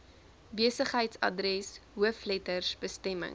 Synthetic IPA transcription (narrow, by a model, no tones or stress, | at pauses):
biəsəχɦəjtsɐ̰drɛsɦuəflɛtərsbəstɛmə̰ŋ